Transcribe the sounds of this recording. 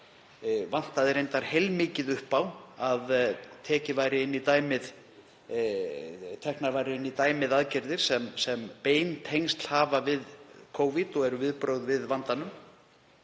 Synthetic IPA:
van̥t̪aðɪɾejnt̪aɾ̥hejlmɪːcɪðʏhpawaðt̪ʰɛːcɪvajɾɪɪnːit̪aːjmɪð | t̪ʰɛhknaɾvajɾɪɪnːit̪aːjmɪðaðcɪɾðɪɾ̥sɛmsɛmpeːjnt̪ʰejnst̪l̥haːvavɪðkʰoːwvit̪ɔɣɛɾʏvɪðpɾowðvɪðvant̪anʏm

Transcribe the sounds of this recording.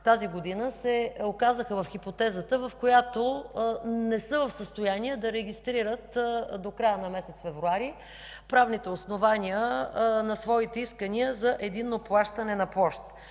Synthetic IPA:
t̪aziɡod̪inəsɛokazəxəvɐfxipot̪ɛzət̪əvəfkojat̪o | nɛsɤvəfsəst̪ojaniɛd̪ɐɾɛɡ̟ist̪ɾiɾət̪d̪okɾajənɐmɛsɛt̪sfɛvɾuaɾi | pɾavnit̪ɛosnovaniənɐsvɔit̪ɛiskəniəzɐʔɛd̪inːoplˠaʃt̪ənɛnɐpˠɔʃt̪

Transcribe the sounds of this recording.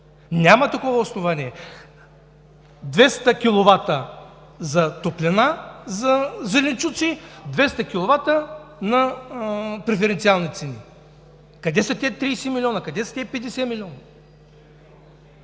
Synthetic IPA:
nʲamɐt̪ɐkɔvɐosnovaniɛ | d̪vɛst̪əkʲilˠovat̪ə | zɐt̪oplʲɛnazɐzɛlʲint͡ʃut̪sid̪vɛst̪ɐkʲilˠovat̪ənɐ | pɾɛfɛɾɛnt̪sʲialˠnit̪sɛni | kɐd̪ɛsɐt̪ʲɛt̪ɾijsɛmilʲɔnɐkɐd̪ɛsɐ̥t̪ʲɛpɛd̪ɛsɛmilʲɔnə

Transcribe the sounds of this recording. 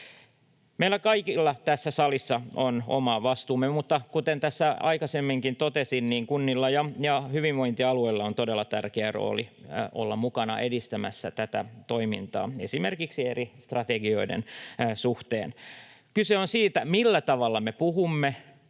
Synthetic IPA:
meilːˑækɑikilːɑt̪æsːæsɑlisːɑono̰mɑʋɑst̪uːmemut̪ːɑkut̪ent̪æsːæɑ̰ikɑsemːiŋkint̪ot̪esinniːŋkunːilːɑjɑjɑhyʋiʋʋoint̪iɑlueilːɑont̪odelːɑt̪ærkeæro̰ːliolːɑmukɑnɑ̰ʔedist̪æmæ̰sːæt̪æt̪æt̪oimint̪ɑ̰ːḛsimerkiksierist̪rɑt̪eɡio̞idḛnsuht̪ḛːn | kyseonsiːt̪æmilːæt̪ɑʋɑlːɑmepuhumːe

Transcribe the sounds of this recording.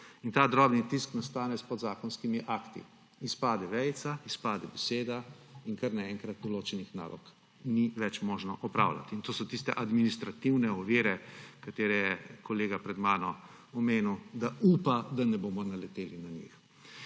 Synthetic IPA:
int̪aːd̪ɾɔːbnit̪isknast̪aːnɛspɔd̪zaːkɔnskimiʔakt̪ḭ | ispaːd̪ɛʋɛjt̪saispaːd̪ɛbɛseːd̪aiŋkaɾnaɛŋkɾat̪̚d̪ɔloːt͡ʃɛnixna̰ːlʔɔ̰k | niʋɛt͡ʃmoːʒnɔʔɔpɾa̰ːwla̰t̪iːnt̪oːsɔt̪ist̪ɛʔad̪minist̪ɾat̪iwnɛɔʋiːɾɛkat̪eːɾɛjɛkɔleːɡapɾɛd̪maːnɔ | ɔmeːnuwd̪auːpad̪anɛboːmɔnalɛt̪eːlinaɲḭx

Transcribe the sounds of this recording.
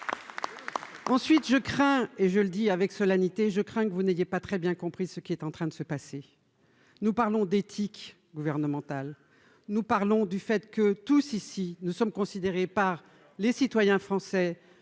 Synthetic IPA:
ɑ̃sɥit̪ʒəkχɛ̃eʒələd̪iavɛksɔlanit̪eʒəkχɛ̃kəvunejepat̪χɛbjɛ̃kɔ̃pχisəkʲiɛt̪ɑ̃t̪χɛ̃d̪əsəpase | nupaʁlɔ̃d̪et̪ʰik | ɡuvɛʁnəmɑ̃t̪al | nupaʁlɔ̃d̪yfɛt̪kət̪usisinusɔmkɔ̃sid̪eʁepaʁ | lesit̪wajɛ̃fχɑ̃sɛ

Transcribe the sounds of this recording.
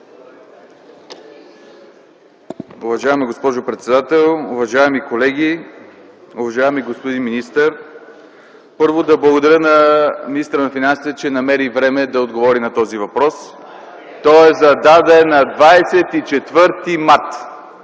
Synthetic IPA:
ʊvɐʒaɛmiɡospɔʒopɾɛt̪sɛd̪at̪ɛlˠʊvɐʒaɛmikolɛɡi | ʊvɐʒaɛmiɡospod̪inminist̪əɾ | pɤɾvod̪ɐblˠɐɡod̪ɐɾʲənɐminist̪əɾənɐfinansit̪ɛt͡ʃɛnɐmɛɾivɾɛmɛd̪ɐod̪ɡovɔɾinɐt̪ɔzivɐpɾɔs | t̪ɔɛzɐd̪ad̪ɛnɐd̪vajsɛt̪it͡ʃɛt̪vɤɾt̪imat̪

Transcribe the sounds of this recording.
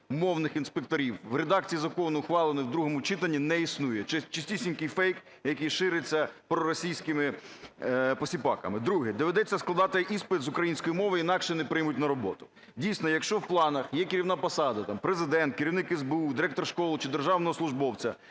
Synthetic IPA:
mɔwnɪxinspek̚t̪ɔɾʲiwʋɾed̪ɑk̚t͡sʲijizɐkɔnʊʊxʋɑlˠɪnɔwd̪ɾuɦɔmʊt͡ʃɪt̪ɐnʲːinɛisnujɛt͡ʃt͡ʃɪsʲtʲisʲinʲkɪjfɛjk | jɐkijʃɪɾɪt͡sʲːɐpɾɔɾɔsʲijsʲkɪmɪ | pɔsʲipɑkɐ̰mɪd̪ɾuɦɪd̪ɔʋed̪ɛt͡sʲːɐsklˠɐd̪ɑt̪ɪʔispɪt̪zʊkɾɐjinʲsʲkɔjimɔʋɪinɑkʃɛnɛpɾɪjmʊt̚ʲnɐɾɔbɔt̪ʊ̥ | dʲijsʲnɔjɐkʃt͡ʃɔwplˠɑnɐxjɛkɪɾʲiwnɑpɐsɑd̪ɐt̪ɑmpɾezɪd̪ɛnt̪̚kɪɾʲiwnɪkɛzbeud̪ɪɾɛk̚t̪ɔrʃkɔlˠʊt͡ʃɪd̪erʒɑwnɔɦɔslˠʊʒbɔwt͡sʲɐ̰

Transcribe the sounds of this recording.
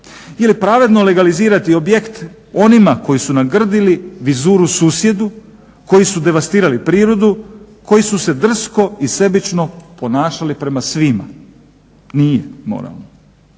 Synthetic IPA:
jelipɾaʋe̞d̪no̞le̞ɡaliziːɾat̪io̞bje̞kt̪ | o̞nimako̞jisunaɡr̩d̪iliʋizuːɾusuːsje̞d̪u | ko̞jisud̪e̞ʋast̪iːɾalipɾiːɾod̪u | ko̞jisuse̞d̪r̩sko̞ise̞bit͡ʃno̞po̞naːʃalipɾe̞masʋima̰ | nijemo̰ɾa̰lˠno

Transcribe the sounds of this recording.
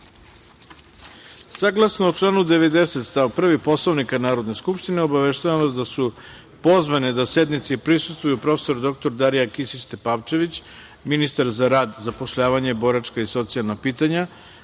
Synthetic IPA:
saɡlˠasnoot͡ʃlˠaːnud̪e̞ʋe̞d̪ese̞t̪st̪aʋpr̩ʋipo̞slˠoʋnikanaːɾo̞d̪ne̞skupʃt̪ineo̞baʋeʃt̪aʋamʋasd̪asu | po̞zʋaned̪ase̞d̪nit̪sipɾisu̥st̪vujupɾo̞fe̥so̞ɾd̪o̞k̚t̪o̞ɾd̪aɾijakisit͡ɕt̪epaʋt͡ʃe̞ʋit͡ɕ | minist̪aɾzaɾaːd̪zapo̞ʃʎaːʋaɲebo̞ɾat͡ʃkaiso̞t̪sijalnapiːt̪aɲa

